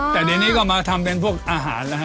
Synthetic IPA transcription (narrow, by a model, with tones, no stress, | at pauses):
t̪ɛː˨˩deː˧niː˥˩kɔː˥˩maː˧t̪ʰa˧mpe˧npʰu˥˩ək̚ʔaː˧ɦa̰ː˩˦nla˦˧kʰa˦˥